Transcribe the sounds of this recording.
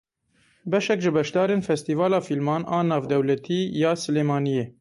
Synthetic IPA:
bɛʃɛkʒɪbɛʃd̪ɑːɾeːnfɛst̪iːvɑːlɑːfilmɑːnʔɑːnɑːvd̪ɛwlɛt̪ʰiːjɑːsɨleːmɑːnijeː

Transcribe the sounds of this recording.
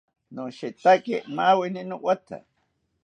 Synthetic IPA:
nuʃit̪akemawininuʔwat̪ʰa̰

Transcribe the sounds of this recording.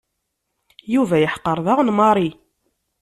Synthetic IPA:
juvæjəħqːəɾˤðɑʁnmɑɾˤi

